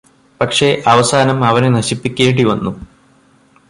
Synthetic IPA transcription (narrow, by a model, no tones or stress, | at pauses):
pɐkʂe̞ʔɐʋɐsaːnɐmɐʋɐnenɐɕipːikʲːeːɽiʋɐnːu